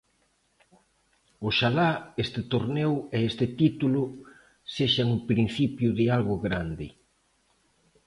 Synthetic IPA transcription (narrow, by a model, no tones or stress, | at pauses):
ʊʃalaest̪ɪt̪oɾneweest̪ɪt̪it̪ulʊ | seʃaŋʊpɾĩn̟θipjʊðɪalɣʊɣɾand̪ɪ